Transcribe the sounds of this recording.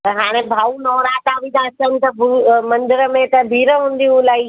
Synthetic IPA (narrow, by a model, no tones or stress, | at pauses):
ɦaːɽ̃ẽbʱaːunɔːɾaːʈ̪aʋĩd̪asənɪ̆t̪ɐbumɐ̃nd̪ɪɾəmẽt̪ɐbʱiːɾəɦũːnd̪iɦũlaːi